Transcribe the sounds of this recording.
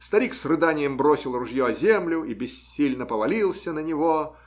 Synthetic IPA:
st̪ɐɾʲiksrɨd̪anʲɪjəmbɾosʲɪlˠrʊʐjoɐzʲemlʲʊibʲɪsʲilʲnəpəvɐlʲilˠsʲənənʲɪvo

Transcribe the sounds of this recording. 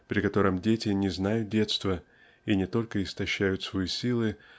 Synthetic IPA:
pɾʲɪkɐt̪o̞ɾəmdʲetʲɪnʲɪznajʊt̪̚dʲe̞t̪st̪və | inʲɪt̪o̞lʲkəɪst̪ɐɕːæjʊt̪svɐjisʲilˠɨ

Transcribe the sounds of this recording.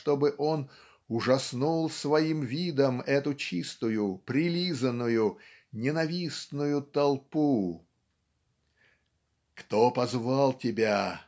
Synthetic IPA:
t̪o̞bɨʔo̞n | ʊʐɐsnulˠsvɐimvʲid̪əmɛt̪ʊt͡ɕist̪ʊjʊpɾʲɪlʲizənːʊjʊ | nʲɪnɐvʲisnʊjʊt̪ɐlˠpu | kt̪opɐzvalˠtʲɪbʲa

